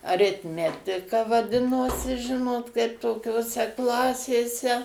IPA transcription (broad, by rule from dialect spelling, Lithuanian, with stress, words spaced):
ɐrʲɪtʲˈmʲæːtʲɪkɐ ʋɐˈdʲɪnoːsʲɪ ˈʒʲɪnoːt kɐɪp toːkʲoːˈsʲɛ ˈklˠɑːsʲeːsʲɛ